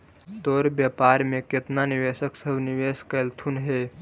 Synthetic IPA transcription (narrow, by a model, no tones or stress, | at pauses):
d̪oːɾbjapaːɾmẽkɪt̪nanɪʋeːʃəksəbʱnɪʋeːskəlt̪ʰunɦe